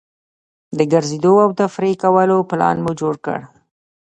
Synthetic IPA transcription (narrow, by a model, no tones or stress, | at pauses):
d̪əɡəɾzed̪oawt̪afɾekawəloplɑ̰nmud͡ʒoɽkə̰ɽ